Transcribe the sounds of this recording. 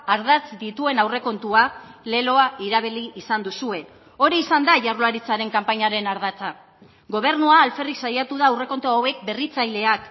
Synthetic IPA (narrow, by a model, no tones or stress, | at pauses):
aɾðat͡sd̪it̪ue̞nawre̞ko̞nt̪uale̞lo̞aiɾaβ̞iliːsand̪usue̞ | o̞ɾiːsand̪aʝarlaɾit͡saɾe̞ŋkampaɲaɾe̞naɾðat͡sa | ɡo̞β̞e̞ɾnuaːlfe̞risajat̪uð̞aːwre̞ko̞nt̪oawe̞k̚be̞rit͡sajle̞ak